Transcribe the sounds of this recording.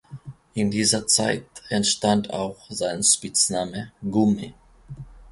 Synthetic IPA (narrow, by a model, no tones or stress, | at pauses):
ʔɪndiːzɐt͡saɪtɛntʃtantʰa̰ʊxz̥aɪnʃpɪt͡snaːməɡumḭ